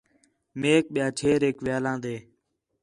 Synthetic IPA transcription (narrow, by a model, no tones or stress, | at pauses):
meːk̚ɓɪjãːt͡ʃʰeːɾeːkʋɪjaːlãːd̪eː